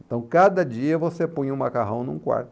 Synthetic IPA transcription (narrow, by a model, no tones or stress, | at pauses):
ẽt̪ɐ̃w̃kad̪ɐd͡ʒiɐvosepõj̃ũmakaɦɐ̃w̃nṵ̃kwa̰ɾt̪ʊ